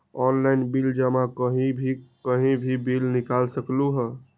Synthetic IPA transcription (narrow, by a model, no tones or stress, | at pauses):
ɔnlaɪnbild͡ʒamakəɦĩbʱikəɦĩbʱibilnikalsəkluɦə